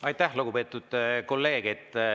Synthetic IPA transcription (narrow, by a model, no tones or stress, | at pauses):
ɑjt̪ːˑæhluɡ̥upe̞ːt̪ːˑud̪̥ko̞lːe̞ːɡ̥et̪ːˑ